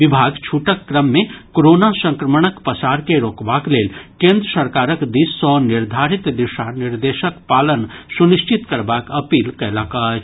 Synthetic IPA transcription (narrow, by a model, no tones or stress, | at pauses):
ʋɪbʱaːɡt͡ʃʰuːʈəkːɾəmːẽkoɾoːnasə̃ŋkɾəməɳ̃əkpəsaːɾkeɾoːkbaːkleːlkẽːnd̪ɾəsəɾkaːɾəkd̪isɔnɪɾd̪ʱaːɾɪt̪d̪ɪʃanɪɾd̪eːʃəkpaːlənsunɪʃt͡ʃɪt̪kəɾbaːkɐpiːlkɐlaːka